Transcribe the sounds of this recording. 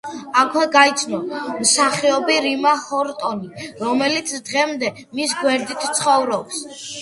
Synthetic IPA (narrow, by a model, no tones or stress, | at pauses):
akʰwɛɡait̪sʰnɔmsaχiɔbiɾimahɔɾt̪ʼɔniɾɔmɛlit̪sʰd̪̥ʁɛmd̪ɛ | mis̬ɡwɛɾd̪it̪ʰt̪sʰχɔvɾɔps